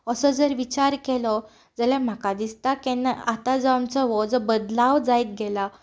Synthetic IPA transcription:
əsəd͡zəɾʋit͡ɕaɾkelɔ | d͡zəlɛ̃m̤akad̪ist̪akɛ̃naat̪ad͡zəamt͡sɔʋɔd͡zəbəd̪laʋd͡zait̪̚ɡʱɛla

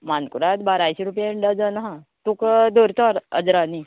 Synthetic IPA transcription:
mankuɾat̪baɾaisiɾupjeɳɖəd͡zənaɦã | t̪ukd̪oɾt̪aɾə̰d͡zɾani

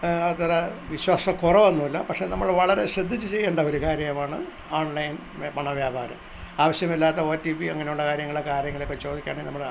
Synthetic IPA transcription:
ɐt̪ːɐɾɐʋiɕwaːsɐkurɐʋɐnːuʋilːɐpɐkʂe̞nɐmːɐɭʋɐɭɐɾe̞ɕɐd̪ʱːitːɨt͡ɕejːeːɳɖɐoɾukaːɾjɐmaːɳɨ | aːɳlɐjn | pɐɳɐʋjaːbaːɾɐ̰m | aːʋɐɕjɐmilːaːt̪ːɐoːtːipiɐŋːɐne̞juɭːɐkaːɾjɐŋːɐɭekaːɾjɐŋːɐɭlo̞kːe̞t͡ɕo̞ːd̪ikʲːaːɳinɐmːɐɭ

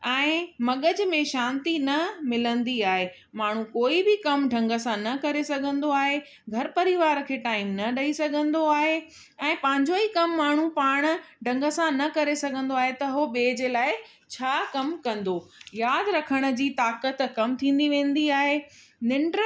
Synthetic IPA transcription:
ɛ̃ːmɐɠəd͡ʑmẽʃãːnt̪inɐmɪlə̃nd̪iaːɦe | maːɳ̤ũkoːibɪkɐmɖʱɐ̃ŋɡə̆sãnɐkɐɾesɐɡʱə̃nd̪oaːɦe | ɡʱɐɾpɐɾiʋaːɾkʰeːʈaːɪmnɐɗɐisɐɡʱə̃nd̪oaːɦe | ɛ̃ːpɐ̃ɦɪ̃ɲd͡ʑoikɐmːaːɳ̤ũpaːɽ̃̆ɖʱɐ̃ŋɡə̆sãnɐkɐɾesɐɡʱə̃nd̪oaːɦet̪ɐɦoɓeːd͡ʑeːlaːɪ | t͡ɕʰaːkɐmkɐ̃nd̪oːjaːd̪ɾɐkʰəɽ̃ə̆d͡ʑiːt̪aːkət̪kɐmt̪ʰĩːn̆d̪iʋẽːnd̪iaːɦe | nɪ̃ɳɖɾ

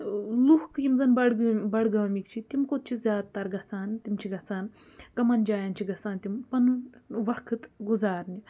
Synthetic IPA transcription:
luhkjimzɐnbɐɽbɐɽɡɐːmik̚t͡ʃʰit̪imkod̪̚t͡ʃʰizʲjaːd̪̚t̪ɐɾɡɐt͡saːnt̪imt͡ʃʰiɡɐt͡saːn | kɐmɐnd͡ʒaːjant͡ʃʰiɡɐt͡saːnt̪impɐnʋɐkʰɨt̪ɡuzaːɾni

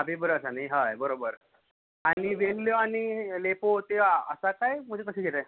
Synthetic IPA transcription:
abʱibəɾəəsanajɦajbəɾobəɾ | aɽ̃iʋelljɔaɽ̃ilepot̪eə̰sakajm̤əd͡ʑʱekəɕiːɡʱet̪a

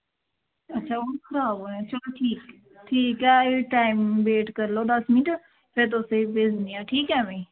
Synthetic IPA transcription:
ətːʃʰaːoːɾkʰəɾaːbõːət͡ʃʰaʈʰiːk | ʈʰiːkɛːeʈaːɪmbeːʈkəɾloːd̪əsmɪʈ | peːt̪̬osebeːzniːãːʈʰiːkɦɛːmẽː

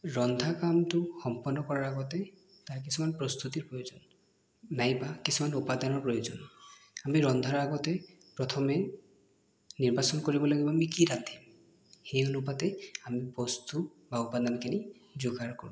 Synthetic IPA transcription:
ɹɔnd̪ʱakamtʊxɔmpɔnːɔkɔɹaɹaɡɔtɛ | taɹk̬isumanpɹɔst̪ʰut̪iɹpɹojozɔnː | ajbakisumanupadanɔɹpɹɔjozɔn | amiɹɔnd̪ʱaɹaɡɔtɛ | pɹɔt̪ʰɔmɛ | niɹbasɔnkoɹibɔlaɡibɔamikiɾand̪ʰʱim | hɛjolupatɛamibɔst̪u | baupadankenizuɡʱaɹkɔɹu

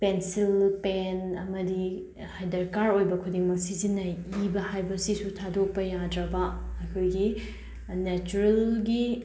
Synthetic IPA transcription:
pensilpenɐmɐdi | hajdɐɾkaɾojbɐkʰudiŋmɐk̚sizinːɐibɐhajbɐsisutʰadok̚pɐjadɾɐbɐɐjkʰojɡi | net͡ʃuɾelɡi

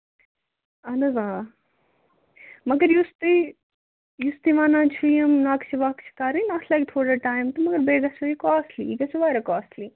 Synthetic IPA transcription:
ɐd̪ɐzãː | mɐɡəɾjust̪i | just̪iʋaːnãːt͡ʃʰujɐmnaːkt͡ʃʰiʋaːkt͡ʃʰi̥kaːɾenaːsʰlaːk̚t̪ʰoːɽaʈaːɪmt̪omɐɡɐɾbeːɡɐsʰuikɔːsliɡɐsʰuʋaːɾɐkɔːsliː

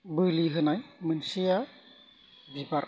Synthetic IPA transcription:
bɯliɦɯnajmɯnsija | bibaɾ

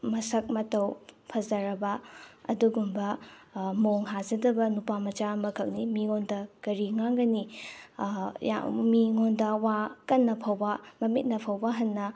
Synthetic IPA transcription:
mɐsɐk̚mɐtɐwpʰɐzɐɾɐbɐɐ̰duɡumbɐmoŋɦazɐdɐbɐnupamɐt͡ʃamɐkʰɐk̚nimiŋondɐkɐɾiŋaŋɡɐni | ja̰miŋondɐwakɐnːɐpʰɐwbɐmɐmit̚nɐpʰɐwbɐɦɐnːɐ

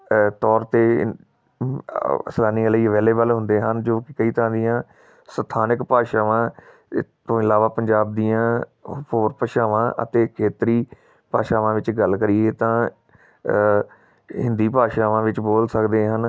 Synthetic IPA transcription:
t̪ɔːɾt̪eː | ə̰slaːniːələiːəʋɛːleːbəlɦʊ̃nd̪eːɦənd͡ʒoːkɪkəiːt̪ʰɾãːd̪ijãː | sət̪ʰaːnɪkpaːʃaːʋãː | t̪õːɪlaːʋaːpəɲd͡ʒaːb̚d̪iːãːpoːɾpəʃaːʋãːʔə̰t̪eːkʰeːt̪ɾiː | pa̰ːʃaːʋãːʋɪt͡ʃɡəlkəɾiːeːt̪ãː | ɦɪ̃nd̪iːpaːʃaːʋãːʋɪt͡ʃboːlsəkd̪eːɦən

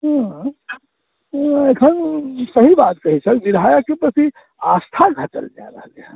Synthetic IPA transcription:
ɦə̃ | ekʰənsəɦibat̪kəɦit͡ʃʰəlʋiɾʱajakepəsʰi | ast̪ʰaɡʱət̪ə̰ld͡ʒa̰ɾə̰ɦəleɦã

